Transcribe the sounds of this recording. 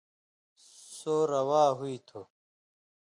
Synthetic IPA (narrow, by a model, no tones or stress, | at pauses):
soːɾɐwaːɦuit̪ʰo